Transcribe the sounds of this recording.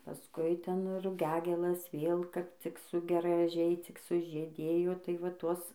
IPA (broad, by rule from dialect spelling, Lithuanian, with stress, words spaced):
pɐˈskʊɪ ˈtʲɛn rʊˈɡʲæːɡʲeːlˠɐs ˈʋʲeːlˠ ˈkɐp t͡sʲɪk sʊ ɡrɐˈʒʲɛɪ t͡sʲɪk sʊʒʲiːˈdʲeːjoː tɐɪ ʋɐ ˈtuɔs